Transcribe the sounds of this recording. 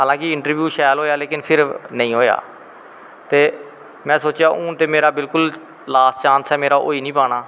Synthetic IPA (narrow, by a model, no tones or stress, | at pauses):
ɦaːlãːkɪɪɳʈəɾʋjuːʃɛːlɦoːjaːleːkɪnpʰɪɾnəĩːɦoːja̰ː | t̪eː | mɛ̃ːsoːt͡ʃjaːʔʊ̃ːt̪eːmeːɾaːbɪlkʊl | laːst͡ʃãːnsɛːmeːɾaːʔo̰ːiːnĩːpaːɽaː